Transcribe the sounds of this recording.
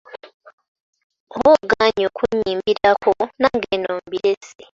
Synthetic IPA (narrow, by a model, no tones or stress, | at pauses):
ohoɡaɲoːkʰuɲiːmbiɾakonaŋɡenoːmbiɾese